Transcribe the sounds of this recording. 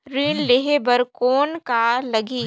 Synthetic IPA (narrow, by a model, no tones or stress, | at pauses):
ɾiːnleɦebɐɾkoːnkaːlɐɡiː